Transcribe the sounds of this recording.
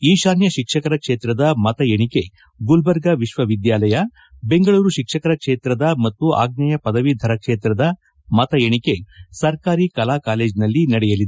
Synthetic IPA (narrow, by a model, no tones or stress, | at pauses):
iːʃaːnjɐʃikʂɐkɐɾɐkʂeːt̪ɾɐd̪ɐmɐt̪ɐjeɳike̞ | ɡulbɐɾɡɐʋiʃʋɐʋid̪jaːlɐjɐ | be̞ŋɡɐɭuːɾuʃikʂɐkɐɾɐkʂeːt̪ɾɐd̪ɐmɐt̪ːuʔa̰ːɡnɐjɐpɐd̪ɐʋid̪ʱɐɾɐkʂeːt̪ɾɐd̪ɐ | mɐt̪ɐjeɳike̞sɐɾkaːɾikɐlaːkaːle̞ːd͡ʒnɐlːinɐɽɛjɐlid̪e